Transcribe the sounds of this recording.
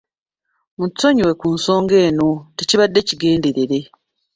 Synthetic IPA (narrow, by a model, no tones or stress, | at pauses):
mutːo̞ɲiwe̞kuːnso̞ːŋɡe̞ːno̞teciβadːe̞ciɡe̞ːndeɾeɾe̞